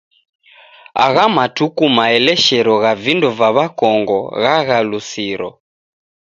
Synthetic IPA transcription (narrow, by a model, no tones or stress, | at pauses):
a̰ɣamatukumaɛlɛʃɛɾɔɣavindɔvaβakɔŋɡɔ̰ɣaɣalusiɾɔ̰